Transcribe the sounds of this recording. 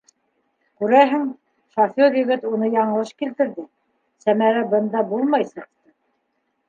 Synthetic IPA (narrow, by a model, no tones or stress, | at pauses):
kʉɾæɦɘŋ | ʃofoɾjɵ̆ɡɘt̪unɤjɑɴɤ̆lˠɤʃkilt̪ɘ̆ɾðɘ | sæmæɾæbɤ̆nd̪ɑbulˠmɑjsɤ̆q̚t̪ɤ